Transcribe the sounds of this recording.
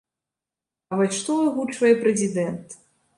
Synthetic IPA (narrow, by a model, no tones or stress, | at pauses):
ɐvɔsʲʂt̪ɔvɨɣut͡ʂvɐjɛpɾɛzʲid̪ɛnt̪